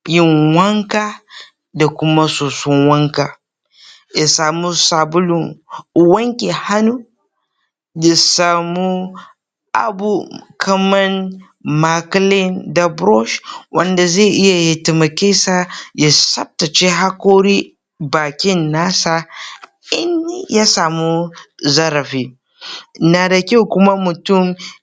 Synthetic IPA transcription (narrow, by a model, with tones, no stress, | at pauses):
jɪ˦ŋwɐ˦ŋkaː˦ | da˨kʷʊ˦ma˦soː˨sɔ˦nwɐ˦ŋkaː˨ | ja˨saː˨mu˦sa˨bʊ˦lʊ˨ŋ˨wɐ˦ŋkʲe˨ha˦nu˦ | da˨saː˨mu˦ | ʔa̰˨bu˨kʰɐ˦mɐ˦n | ma˨klɪ˦nda˨bɾɔ˦ʃwʔɐ˦nda˨ze˦˨ʔɪ˦ja˨ja˨tɪ˨mɐ˨kʲe˦sa˦ja˨sɐ˦p̚ta˨t͡ʃe˦ɦa˦koː˦ɾiː˦ | baː˨kʲɪ˦nːaː˦saː˦ | ɪ˦n˦ja˦saː˨mu˦zɐ˦ɾɐ˨ɸiː˦ | na˨da˨kʲa˦wkʷʊ˦ma˦mʊ˨tʊ˦˨m